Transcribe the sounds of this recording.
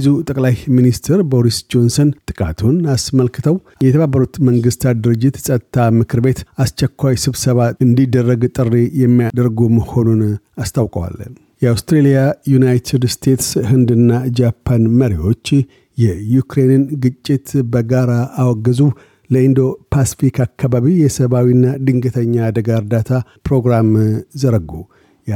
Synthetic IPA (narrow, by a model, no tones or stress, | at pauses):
bzut̪ʼəkʼlajminist̪ʰɛɾbo̞ɾisd͡ʒo̞nso̞nt̪ʼɨkʼa̰t̪ʰunasməlkɨt̪ʰəw | jɛt̪ʰəβabːəɾut̪məŋɡɨst̪ʰad̪ɨɾɨd͡ʒːɪt̪sʼət̪t̪ʰːamɨkʰɨɾbe̞t̪ast͡ʃːɛkʰʷːajsɨβsəβaɨnd̪id̪ːərːəɡt̪ʼɨrːejɛmːijad̪əɾɡuməho̞nun | ast̪ʰawkʼəwa̰l | jɛawst̪ɾelijajunajt̪ʰɪd̪st̪ʰe̞t̪shɨnd̪ɨnːad͡ʒapʰːanməɾiwo̞t͡ʃː | jɛjukɾe̞nɨnɡɨt͡ʃʼːɪt̪bəɡaɾaːwɔɡːəzu | ləind̪o̞pʰasi̥fikʰakːaβaβijɛsəβawinːad̪ɨŋɡɨt̪ʰəɲːaːd̪əɡaɨɾd̪at̪ʰapɾo̞ɡɾamzəɾəɡːu